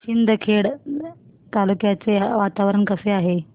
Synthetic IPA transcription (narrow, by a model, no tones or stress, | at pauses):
ɕind̪ʱəkʰeɽ | t̪alukjat͡seʋat̪aʋɾəɳkəseaɦe